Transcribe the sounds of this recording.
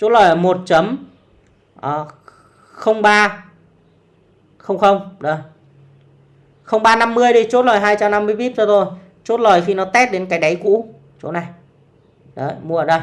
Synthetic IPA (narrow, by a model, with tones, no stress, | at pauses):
t͡ɕo˨˦t̚lə˨˩jə˨˩mo˨˩t̚t͡ɕə˨˦m | ʔəː˨˩ | xə˧wŋ͡mɓaː˧ | xə˧wŋ͡mxə˧wŋ͡mɗə˨˩j | xə˧wŋ͡mɓaː˧na˧mːɨ˧əjɗi˧˦t͡ɕo˦˥t̚lɔː˨˩jɦaː˧jt͡ɕa˧mna˧mːɨ˧əɓi˦˥t̚t͡ɕɔ˧t̪o˧j | t͡ɕo˦˥t̚lɔ˨˩jxi˧nɔ˨˦t̪ɛ˦˥t̚ɗe˨˦nkaː˨˦jɗa˨˦jkṵ˧˥ | t͡ɕo̰˨˦na˨˩j | ɗə˨˩jmu˧˩˨əː˨˩ɗə˧j